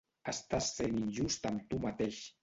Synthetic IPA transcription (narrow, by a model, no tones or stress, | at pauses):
ast̪asːeninjust̪amt̪umat̪eʃ